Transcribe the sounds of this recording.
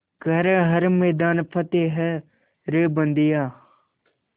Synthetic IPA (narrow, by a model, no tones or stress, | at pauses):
ɡɐɾɦɐɾmeːd̪aːnpʰɐt̪eːɦɛ | ɾebɐnd̪ɪjaː